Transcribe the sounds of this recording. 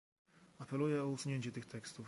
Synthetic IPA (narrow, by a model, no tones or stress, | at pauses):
apɛlujɛɔusuɲeɲt͡ɕɛt̪ɘxt̪ɛkst̪uf